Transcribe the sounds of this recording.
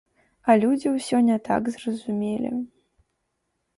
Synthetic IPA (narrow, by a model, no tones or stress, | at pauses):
ɐlʲud͡zʲiwsʲɔnʲɛt̪a̰ɡzrɐzumʲelʲḭ